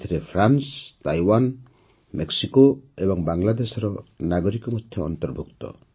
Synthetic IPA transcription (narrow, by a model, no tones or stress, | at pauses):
t̪ʰɾepʰɾanstajwan | mek̚sikɔebɔŋbaŋlad̪esɾɔnaɡɔɾikɔmɔt̪ʰːeɔ̰nt̪ɔɾbʱuk̚t̪ɔ̰